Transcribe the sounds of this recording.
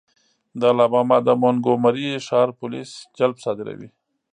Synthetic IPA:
d̪alabɑmɑd̪əmonɡomaɾiʃɑːɾpʊlisd͡ʒalbsɑd̪ɪɾa̰wḭ

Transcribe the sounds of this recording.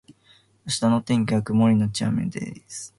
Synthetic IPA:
aɕi̥t̪anot̪ẽŋkʲiakɯ̟moɾʲinot͡ɕia̰mḛd̪ḛɾis

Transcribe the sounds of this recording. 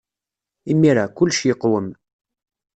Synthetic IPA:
imːiɾakʊlːʃjəqːwəm

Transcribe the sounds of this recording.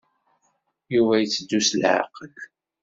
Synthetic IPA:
juvæjət͡sːəd̪ːuslʕa̰qəl

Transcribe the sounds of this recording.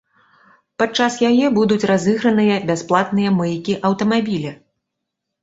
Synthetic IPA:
pat͡ʂasjajɛbud̪ut͡sʲrazɨɣɾɐnɨjɐbʲasplˠat̪nɨjɐmɨjkʲiʔɐwt̪ɐmabʲilʲi

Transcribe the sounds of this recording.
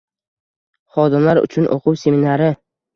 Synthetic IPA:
χɒd̪ɪmlaɾʊ̰t͡ʃʰʊnʔo̰qʰʊwse̞minaɾɪ

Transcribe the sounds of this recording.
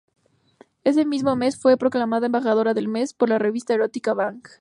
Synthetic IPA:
e̞s̬e̞mizmo̞me̞sfwe̞pɾo̞klamaðaembaxaðo̞ɾaðe̞lme̞spo̞ɾlare̞βist̪ae̞ɾot̪ikaβaŋk

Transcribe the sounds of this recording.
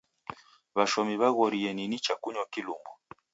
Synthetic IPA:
βaʃɔmiβaɣɔɾiɛninit͡ʃakuɲɔkilumbɔ

